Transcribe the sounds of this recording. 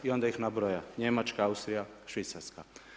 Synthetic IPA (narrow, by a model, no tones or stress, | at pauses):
io̞nd̪aixnabɾojaɲemat͡ʃkaaust̪ɾijaʃʋit̪saɾska